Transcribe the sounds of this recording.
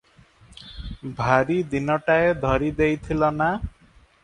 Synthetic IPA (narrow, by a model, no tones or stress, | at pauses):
bʱaɾid̪inɔʈaed̪ʱɔɾid̪ejt̪ʰilɔna